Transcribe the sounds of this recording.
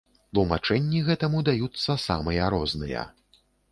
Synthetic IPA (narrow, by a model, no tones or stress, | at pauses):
t̪lˠumat͡ʂɛnʲːiɣɛt̪ɐmud̪ajut̪sːɐsa̰mɨjɐɾɔznɨ̰jɐ̰